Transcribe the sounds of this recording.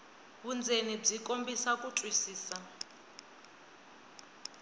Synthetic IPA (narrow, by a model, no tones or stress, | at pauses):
βund͡zenib͡ʐikʼombisakutʼwisiːsa